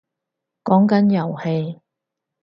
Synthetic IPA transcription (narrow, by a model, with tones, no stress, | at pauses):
kɔː˨˥ŋkɐ˨˥njɐ˨˩whe˧j